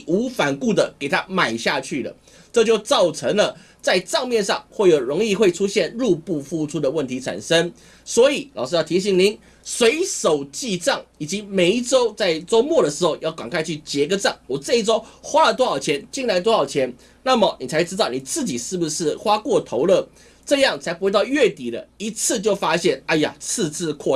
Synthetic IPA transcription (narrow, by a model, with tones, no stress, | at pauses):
u˧˥fa˨˩nku˥˩d̪ə˨ke˨˩ɪt̪ʰa˦ma˨˩ɪɕja˥˧t͡ɕʰy˥˩lə̰˩ | ʈ͡ʂɤ˥˧t͡ɕjo˥˧ʊt͡sɑ˥˩ʊʈ͡ʂʰə˧˥ŋlə˨ | t͡sa˥˧ɪʈ͡ʂɑ˥˧ŋmjɛ˥˧nʂɑ̰˥˧ŋxwe˥˩ɪjo˨˩ʊɻʊ˧˥ŋi˥˧xwe˥˩ɪʈ͡ʂʰu˥ɕjɛ˥˧nɻu˥˧pu˥˧fu˥˧ʈ͡ʂʰu˥d̪ə˨wə˥˩nt̪ʰi˧˥t͡sʰa̰˨˩nʂə˦˥ŋ | swɔ˧˥i˨˩˦lɑ˨˩ʊʂ̬ɻ̩˥jɑ˥˩ʊt̪ʰi˧˥ɕ̬i˨˩ŋni˧˥˦n | swe˧˥ɪʂo˨˩ʊt͡ɕi˥˧ʈ͡ʂɑ˥˩ŋi˨˩t͡ɕi˧˥me˨˩ɪʈ͡ʂo˥ʊt͡sa˥˩ɪt͡swɔ˥ʊmwɔ˥˨˩ɾə˩ʂɻ̩˧˥xo˥˧ʊjɑ˥˩ʊkwa˨˩ŋkʰa˥˧ɪt͡ɕʰy˥˩t͡ɕjɛ˧˥ɡə˧ʈ͡ʂɑ˥˩ŋwɔ˨˩t͡sɤ˥˧i˥˩ʈ͡ʂo˥ʊxwa˥lə˨˧t̪wɔ˥xɑ˨˩ʊt͡ɕʰjɛ˧˥nt͡ɕi˥˧ŋla˧˥ɪt̪wɔ˥xɑ˨˩ʊt͡ɕʰjɛ˧˥n | na˥˩mə˨˩ni˨˩t͡sʰa˧˥ɪʈ͡ʂɻ̩˥t̪ɑ˥˨˩ʊni˨˩t͡sɹ̩˥˩t͡ɕi˨˩ʂɻ̩˥˩bu˩ʂɻ̩˥˩xwa˥kwɔ˥˩t̪ʰo˧˥ʊlə˥˩ | ʈ͡ʂɤ˥˧jɑ˥˩ŋt͡sʰa˧˥ɪpu˧˥t̪ɑ˥˧ʊɥɛ˥˩t̪i˨˩d̪ə̰˦i˧˥t͡s̩ʰ˥˧t͡ɕjo˥˩ʊfa˥ɕjɛ˥˩na˥˧ja̰˨˩t͡sʰɹ̩˥˧t͡sʰɹ̩˥˧kʰwɔ˥˧